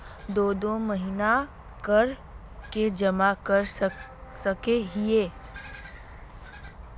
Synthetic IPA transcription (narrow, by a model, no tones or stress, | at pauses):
d̪oːd̪oməɦina | kəɾ | ked͡ʒəmakəɾ | səkeɦieː